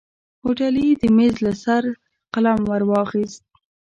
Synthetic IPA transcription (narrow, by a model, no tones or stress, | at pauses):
hoʈalid̪əmezlasaɾ | qalamwaɾwɑxist̪̚